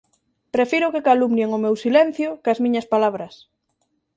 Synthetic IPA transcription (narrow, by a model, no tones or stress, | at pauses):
pɾefiɾʊkekalumnjeŋʊmewsilɛn̟θjʊkɐzmĩɲɐspalaβ̞ɾɐs